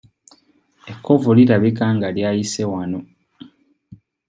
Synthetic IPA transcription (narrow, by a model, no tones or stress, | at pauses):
e̞kʰːo̞vuliɾaβikaːŋɡaljaːjisewano̞